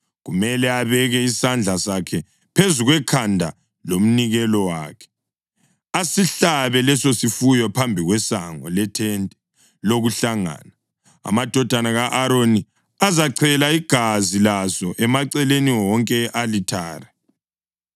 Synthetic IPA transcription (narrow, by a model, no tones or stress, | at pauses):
ɣumɛlɛaβɛɣɛisand͡ɮʱasakʰɛ | pʰezuɣwɛkʰandʱa̰ | lom̩niɣɛlɔwa̰ːkʰɛ̥ | asiɬaβɛlɛsosifujɔpʰambʱiɣwɛsaŋɔ̰lɛtʰɛntʼɛ̥ | loɣuɬaŋa̰ːna | a̰mad̥ʱɔd̥ʱanaɣaʔaɾoni | azaǀʰɛlaiɡ̥ʱazilazɔʔɛmaǀɛleniwɔŋkʼɛʔalitʰaːrɛ